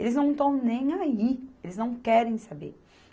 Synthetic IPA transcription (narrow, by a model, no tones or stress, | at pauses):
elɪznɐ̃w̃t̪ɐ̃w̃nẽj̃aielɪznɐ̃w̃kɛɾẽj̃sabḛɾ